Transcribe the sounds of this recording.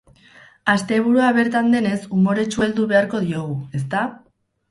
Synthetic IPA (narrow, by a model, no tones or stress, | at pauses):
ast̪e̞β̞uɾuaβe̞ɾt̪and̪e̞ne̞sumo̞ɾe̞t͡ʃue̞ld̪uβe̞aɾko̞ð̞io̞ɣ̞ue̞st̪a